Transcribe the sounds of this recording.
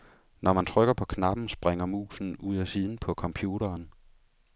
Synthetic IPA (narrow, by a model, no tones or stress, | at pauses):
nʔɒmænt͡sʰʁœɡ̥ɐpʰɒ̽kʰnɑ̈b̥n̩sb̥ʁeŋɐmṵːsn̩uð̰ˠæsiðˠn̩pʰɒ̽kʰɒ̽mpʰjuːɾɐːn